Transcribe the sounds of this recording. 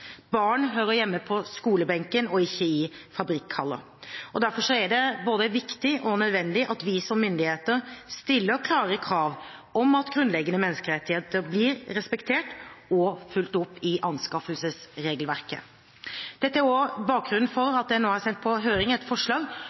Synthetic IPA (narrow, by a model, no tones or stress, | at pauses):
bɑːɳɦøːɾəjɛmːəpʰɔskuːləbɛŋkənɔɪçːəɪfɑbɾɪkːhɑlːə̰ | ɔd̪æɾfɔʂɔæɖɛboːd̪əʋɪkt̪ɪʔɔnœd̪ʋɛnd̪ɪʔɑt̪ʋɪsɔmːʏnd̪ɪheːt̪əɾst̪ɪlːəkʰlɑːɾəkʰɾɑːʋɔmɑt̪ɡɾʉnd̪lɛɡənəmɛnːəskəɾɛt̪ːɪheːt̪əɾblɪɾɾɛspɛkt̪ʰeːʈɔfʉlt̪ʊpːɪʔɑnskɑfəlsəsɾeːɡəlʋæɾkə̰ | d̪̥ɛt̪ːəæɾɔbɑːk̚ɡɾʉnn̩fɔɾɑt̪̚d̪ɛænoːhæɾsɛnt̪̚pʰɔɦøːɾɪŋɛt̪fɔʂɭɑːɡ